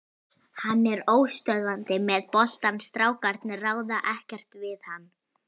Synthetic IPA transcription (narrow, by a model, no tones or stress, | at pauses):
hanːɛɾoːwst̪œðvant̪ɪmɛðpɔl̥t̪anst̪ɾaːwkaɾt̪nɪraːwðaʔɛhcɛr̥t̪vɪðhanː